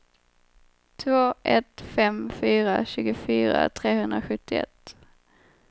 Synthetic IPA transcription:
t̪ʰvoːʔɛt̪fɛmfyːɾaɕʉ̟ːɡʊfyːɾa̰t̪ʰɾeːhɵnd̪ɾaɧɵt̪ːɪɛ̰t̪ː

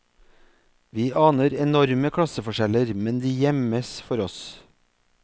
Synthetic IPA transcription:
ʋiːʔɑːnəɾɛnɔɾməkʰɽɑsəfɔʃɛləɾmɛnd̪iːjɛməsfɔɾɔs

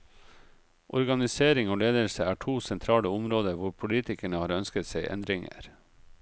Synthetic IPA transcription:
ʔɔɾɡɑnɪseːɾɪŋoːleːd̪əlsəæːʈʰuːsɛnt̪ʰɾɑːləʊmɾoːd̪əɾʋʊɾpʰʊliːt̪ɪkəɳəhɑːɾœnskət̪sæɪʔɛ̰nd̪ɾɪŋə̰ɾ

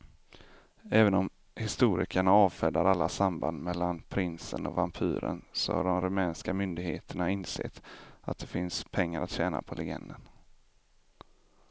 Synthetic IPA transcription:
ɛːvənɔm | hɪst̪uːɾɪ̰kʰaɳaɑːvfɛd̪aɾalːasamband̪mɛlːanpʰɾɪnsənɔvampʰy̰ːɾə̰nsɔ̰ha̰ɖɔmɾɵmɛːnskamʏnd̪ɪɡheːt̪ʰəɳaɪnsḛːt̪at̪̚d̪ɛfɪnspʰɛŋːaɾʔat̪ɕɛːna̰pʰɔlɛɡɛ̰nd̪ən

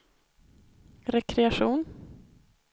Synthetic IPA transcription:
ɾɛkʰɾɛaʂuːn

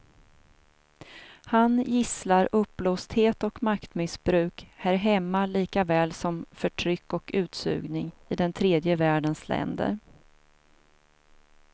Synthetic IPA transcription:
hanjɪslaɾɵpːloːst̪heːt̪ɔkmakt̪mɪsbɾʉ̟ːkhæːɾɦɛmːaliːkavɛːlsɔmfœʈʰɾʏkːɔkʉ̟ːt̪sʉ̰ːɡnɪŋɪd̪ɛnt̪ʰɾeːd̪jəvæːɖənslɛ̰nd̪ə̰ɾ

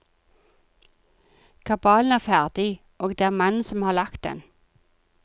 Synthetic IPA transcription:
kʰɑbɑːln̩æːʁfæʁd̪ɪ | ʔoːɡ̚d̪eːæːʁmɑnn̩sɔmhɑːlɑkt̪̚d̪ɛ̰n

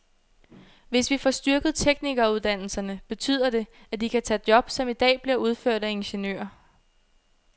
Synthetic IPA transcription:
ʋe̝sʋifɒsd̥yɐɡ̥ð̞̩ˠt͡sʰeɡ̥niɡ̥ɐuðˠd̥æn̰l̩sɐnəb̥e̝t͡sʰy̰ːð̞̰ˠɐde̝ | æd̥ikʰæt͡sʰɛ̰d̥jɒ̽b̥sɒ̽mid̥ɛ̰ːb̥liɐuð̞ˠføɐ̰d̥æe̝nɕenø̰ːɐ

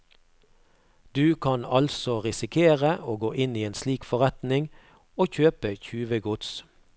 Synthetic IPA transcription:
d̪̥ʉːkʰɑnɑlsɔʁɪsɪkʰeːʁəʔoːɡoːʔɪniːeːnsliːkfɔʁɛt̪nɪŋ | oːçøːpəçʉːʋəɡʊt̪s

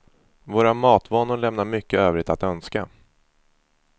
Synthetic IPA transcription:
voːɾamɑːt̪voːnʊɾɭɛmnaɾmʏkːəøːvɾɪt̪at̪œnska̰

